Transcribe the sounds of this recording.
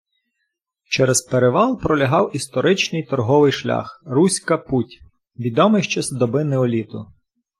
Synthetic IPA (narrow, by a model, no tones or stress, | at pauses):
t͡ʃɛɾɛzpeɾeʋɑlˠpɾɔlʲɐɦɑwist̪ɔɾɪt͡ʃnɪjt̪ɔrɦɔʋɪjʃlʲa̰xrusʲkɐputʲ | ʋʲid̪ɔmɪjʃt͡ʃɛsd̪ɔbɪnɛɔlʲit̪ʊ̰